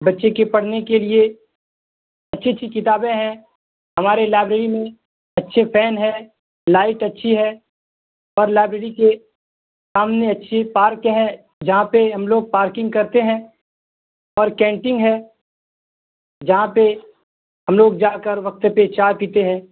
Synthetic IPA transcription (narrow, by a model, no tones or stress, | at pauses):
bɐtːʃekepɐɽ̤nekelie | ɐtːʃʰetːʃʰikɪt̪aːbẽɦɛ̃ | ɦɐmaːɾelaːɪbɾeːɾimẽ | ɐtːʃʰepʰɛːnɦɛ | laːɪʈɐtːʃʰiɦɛ | ɔːɾlaːɪbɾeːɾike | saːmneɐtːʃʰepaːɾkɦɛ̃ | d͡ʒɐɦãpeɦɐmloːɡ̚paːɾkɪ̃ŋɡ̚kɐɾt̪eɦɛ̃ | ɔːɾkɛ̃ːʈɪ̃ŋɡɦɛː | d͡ʒɐɦãpe | ɦɐmloːɡd͡ʒaːkəɾʋɐk̚t̪pet͡ʃaːpiːt̪eɦɛ̃ː